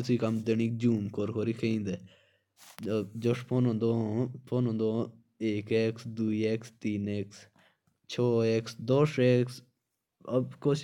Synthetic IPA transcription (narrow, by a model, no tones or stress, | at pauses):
ɪt̪ʰiːkɐmd̪eniːk̚d͡ʒuːmkoɾkʰoːɾikʰẽnd̪e | d͡ʒoʂpʰonõnd̪opʰoːnõnd̪o | eːkeːksd̪uieːkst̪iːneːks | t͡ʃʰɔːeːksd̪oʃeːks | əbkoːʃ